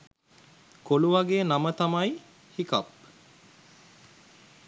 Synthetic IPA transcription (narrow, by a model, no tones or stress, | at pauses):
koluʋaɡeːnamət̪amaj | hika̰p̚